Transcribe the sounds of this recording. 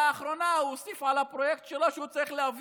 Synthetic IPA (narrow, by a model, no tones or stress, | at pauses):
χɾɔnausifalapɾɔjɛk̚t̪̚t͡ʃʰɛlaʃut͡sʰʼɛχlɛav